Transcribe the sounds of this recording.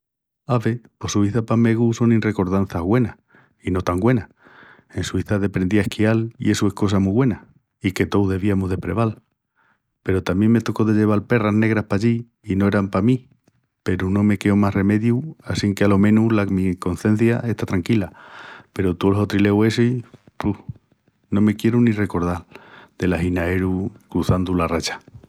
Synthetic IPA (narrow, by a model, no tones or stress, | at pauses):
aβe̞po̞suiθapame̞ɣuso̞ninre̞ko̞ɾðan̟θaɣwe̞na | ino̞t̪aŋɡwe̞na | e̞nsuiθaðe̞pɾe̞nd̪iaehkialḭʔe̞sue̞hko̞s̬amuiβwe̞na | ike̞t̪o̞wðe̞β̞iamoɦðe̞pɾe̞β̞al | pe̞ɾot̪amje̞ŋme̞t̪o̞ko̞ðe̞ʎe̞β̞alpe̞razne̞ɣɾahpaʎi | ino̞eɾampamĩ | pe̞ɾuno̞me̞ke̞o̞masre̞me̞ðjuasiŋkealo̞mẽ̞nulamiko̞nθe̞n̟θjaʔe̞ht̪at̪ɾaŋkilape̞ɾot̪ulsot̪ɾile̞we̞se | puh | nõ̞me̞kje̞ɾunire̞ko̞ɾð̞ald̪̥e̞laɦinae̞ɾukɾuθand̪ularat͡ʃḁ